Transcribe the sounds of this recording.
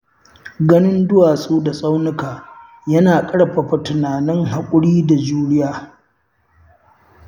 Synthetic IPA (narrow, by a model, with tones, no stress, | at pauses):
ɡɐ˦nɪ˦ndʊ˦waː˨sʼuː˦da˨sʼa˦wnɪ˦kaː˨ | jɐ˦naː˨kʼɐ˦ɽɸa˨ɸa˨tʊ˨naː˨nɪ˦ŋɦa˨kʷʼʊ˦ɽiː˦da˨d͡ʒuː˦ɽɪ˦jaː˨